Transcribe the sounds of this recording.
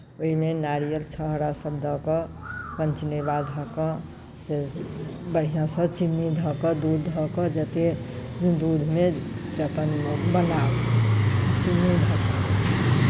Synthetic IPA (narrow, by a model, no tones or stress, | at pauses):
oɦinenaɾijəlt͡ʃʰəɦɾasəbd̪ʱɔkɔpənt͡ʃnebad̪ɦɔkɔ | se | bəɽ̤ijãsət͡ʃinːid̪ʱɔkəd̪ud̪ʱɔkəd͡ʒət̪e | d̪ud̪ʱmeseəpənbənab | t͡ʃinːid̪ʱɔkɔ